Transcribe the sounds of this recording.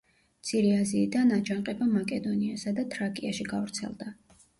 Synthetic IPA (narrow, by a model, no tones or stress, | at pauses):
mt̪sʰiɾiaziːd̪anad͡ʒaɴqʼɛbamakʼɛd̪ɔniasad̪at̪ʰɾakʼiaʃiɡavɾt̪sʰɛ̰lˠd̪a